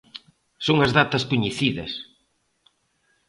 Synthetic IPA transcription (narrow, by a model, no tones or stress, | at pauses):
soŋɐzðat̪ɐspuɲeθiðɐ̰s